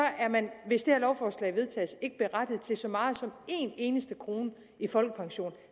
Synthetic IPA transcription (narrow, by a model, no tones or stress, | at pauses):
ɒ̽ʔæɐmænʋe̝sd̥eæɐlɒʊfɒːslɛ̰ɪʋe̝ð̞ˠt͡sʰɛ̰ːse̝ɡ̥əb̥e̝ʁɑd̥ið̞̩ˠt͡sʰe̝lsɒ̽mɑ̈ːð̩ˠsɒ̽me̝ne̝ːnəsd̥əkʰʁo̝ːnə | ifɒ̽lɡ̥əpʰɑ̈ŋɕo̝̰ːn